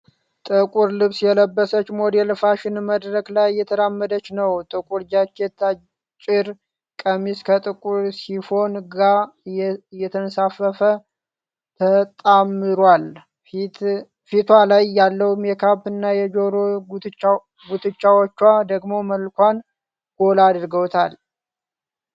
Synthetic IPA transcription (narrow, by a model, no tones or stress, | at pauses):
t̪ʼɨkʼuɾlɨβsjɛləbːəsət͡ʃːmo̞d̪elfaʃɪnməd̪ɾəklajːɛt̪ʰəɾamːəd̪ət͡ʃːnəwt̪ʼɨkʼuɾd͡ʒat͡ʃːet̪ːa | t͡ʃʼɪɾ | kʼəmiskʰət̪ʼɨkʼuɾsiho̞nɡa | jɛt̪ʰənsafəfə | t̪ʰət̪ʼamːɨɾwal | fit̪ʰwalajːalːəwumjɛkʰaβɨnːajɛd͡ʒo̞ɾoɡ̪ | ɡut̪ʰɨt͡ʃːawot͡ʃːwad̪əɡmo̞məlkʷan | ɡ̥o̞lad̪ɾɡəwt̪ʰal